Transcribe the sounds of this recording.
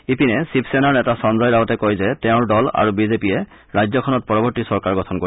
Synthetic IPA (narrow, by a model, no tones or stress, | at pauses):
ipinɛsipʰsɛnaɹnɛtasɔnzɔjaɡɔtɛkojzɛtɛʊ̃ɹdɔla̰ɹubizepijɛ | ɹajzɔkʰɔnɔt̚pɔɹɔbɔɹtisɔɹkaɹɡɔtʰɔnko